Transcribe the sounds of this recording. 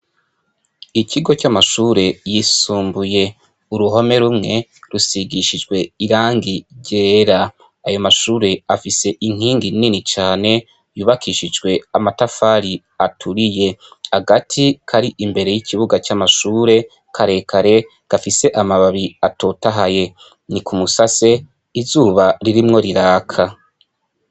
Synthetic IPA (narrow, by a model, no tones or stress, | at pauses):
icʰiɡo̞camaʃuːɾe̞jisuːmbuje̞ | uɾuɦo̞me̞ɾumŋe̞ɾusiɡiʃid͡ʒɡwe̞iɾaːŋɡiɾɟeːɾa | ajo̞maʃuːɾe̞afise̞ʔiŋ̥iːŋɡininit͡ʃaːne̞ | juːβakʰiʃid͡ʒɡwe̞amatafaːɾi | atʰuɾije̞haɡatʰikʰaɾiʔimbe̞ɾe̞jikʰiβuɡat͡ʃamaʃuːɾe̞ | kʰaɾe̞kʰaɾe̞ | ɡ̥afise̞ʔamaβaβiatʰo̞taɦaje̞ | nikʰumusase̞ | izuːβaɾiɾimŋo̞ɾiɾaːkʰa